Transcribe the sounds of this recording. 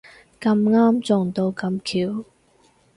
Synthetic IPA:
kɐ˧mŋaː˥mt͡sɔ˨ŋt̪o˧wkɐ˧mkʰiː˨w

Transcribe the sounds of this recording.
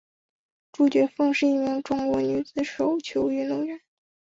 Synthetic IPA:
ʈ͡ʂu˥˩t͡ɕɥɛ˧˥fɤ˥˧ŋʂɻ̩˥˧i˥˩mi˧˥ŋʈ͡ʂʊ˥ŋwə˧˥ny˧˥t͡sɹ̩˥˩ʂɻo˧˥o˥˩t͡ɕʰjo˧˥ʊɥɛ˧˥nʊ˥˩ŋɥɛ˧˥˦n

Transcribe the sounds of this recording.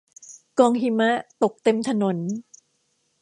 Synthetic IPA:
kɔː˧ŋhi˧ma˦˥t̪o˨˩k̚t̪e˧mt̪ʰa˧no˩˦n

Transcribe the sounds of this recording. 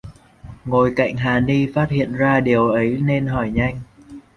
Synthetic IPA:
ŋo˨˩jka̰˧˨jŋ̟ɦaː˨˩ni˧faː˦˥t̚hḭ˧˨ənzaː˧ɗi˨˩əwʔə˨˦jne˧nɦɔ˧˩jɲa˧jŋ̟

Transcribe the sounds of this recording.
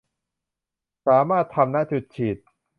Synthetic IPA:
saː˩˦maː˥˩t̪ʰːa˧mna˦˥˩t͡ɕʰu˨˩t̪̚t͡ɕʰiː˨˩t̪̚

